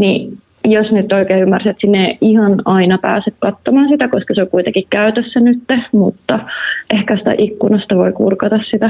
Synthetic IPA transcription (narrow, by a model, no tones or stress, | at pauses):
ni | josnyt̪ːoikeːymːærsiet̪sinːeihɑnɑinɑpæ̰ːsek̚kɑt̪ːomɑːnsit̪ækoskɑseolʲkuit̪eŋkikkæyt̪øsːænyt̪ːemut̪ːɑʔehkæsi̥t̪æ̰ʔikːunɑst̪ɑʋo̰ikṵrkɑt̪ɑssit̪æ